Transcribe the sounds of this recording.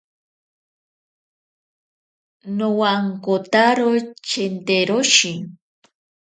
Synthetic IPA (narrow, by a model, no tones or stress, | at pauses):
nowaŋkot̪aɾot͡ʃent̪eɾoʃɪŋ